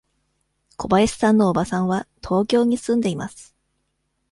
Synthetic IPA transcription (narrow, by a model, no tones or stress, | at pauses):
kʰo̞baesɨ̥sãnːo̞ːbasãɰ̃βat̪ʰo̞ːkʲo̞ːɲ̟isɨ̃nd̪e̞imasɨ̥